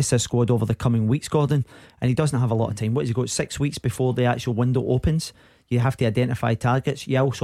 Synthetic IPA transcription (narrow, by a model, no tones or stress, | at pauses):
ɪsəz̥skɔɹdovə˞ðəkʰʌmɪ̃ŋwiksɡ̥aɹdⁿn̩ʔə̃nid̥ʌzn̩ɦəvəlˠɔ̰ʔə̰vtʰãɪ̃mwɔʔɪzɪɡoʊtsɪkswiksb̥ɪfɔɹðiak̚t͡ʃʉl̩ˠwɪ̃ndoʔopʰə̃nz̥ | jəɦaftʰəaɪdɛ̃nɪfaɪtʰaɹɡɪtsjɛɔso